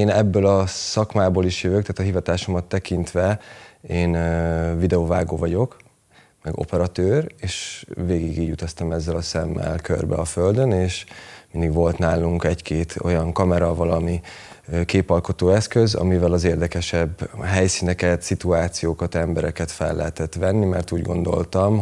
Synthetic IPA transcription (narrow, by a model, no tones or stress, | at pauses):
eːnɛbːølɒsɒkmaːboːliʃjøvøːkt̪aːt̪ɒɦivɒt̪aːʃo̞mɒt̪ːɛkint̪ʋɛeːnvid̪ɛovaːɡoːvɒɟo̞k | mɛɡo̞̰pɛɾɒt̪øːreːʃveːɡiɡiːɟut̪ɒst̪ɒmɛzːɛlɒsɛmːɛ̰lkø̰rbɛ̰ɒføld̪øneːʃmind̪iɡʋo̞lt̪naːluŋkɛckeːt̪ʰo̞̰jɒŋkɒmɛɾɒvɒlɒmi | keːpɒlko̞t̪oːɛskøzɒ̰mivɛlɒzeːrd̪ɛkɛʃɛbːɦɛjsinɛkɛt̪sit̪uaːt̪sijoːkɒt̪ɛmbɛɾɛkɛt̪fɛlːɛɦɛt̪ɛt̪ʋɛnːimɛrt̪uːɟɡo̞̰nd̪o̞̰lt̪ɒm